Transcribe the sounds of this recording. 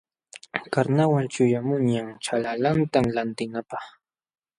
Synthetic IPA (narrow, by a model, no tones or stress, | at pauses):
kaɾnawant͡ʃʊjamʊɲaŋt͡ʃalalant̪amlant̪ɪnapɑχ